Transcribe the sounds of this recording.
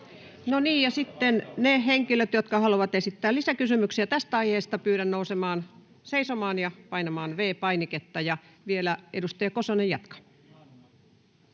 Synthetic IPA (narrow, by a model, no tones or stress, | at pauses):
noniːjjɑsit̪ːenneheŋkiløt̪jot̪kɑhɑluʋɑt̪esit̪ːæːlisækysymyksiæt̪æst̪æɑiheːst̪ɑpyːɾænnousemɑːn | seisomɑːnjɑpɑinɑmɑːnʋeːpɑiniket̪ːɑjɑ | ʋielæedust̪ɑjɑkosonejɑt̪kɑ̥